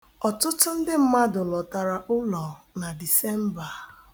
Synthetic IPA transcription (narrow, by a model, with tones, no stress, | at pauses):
ɔ˨tʊ˦tʊ˦n̩˦dɪ˦m̩˦ma˦dʊ˨lɔ˨ta˨ɾa˨ʔʊ˦lɔ˨na˨di˨se˦m̩˦ba˨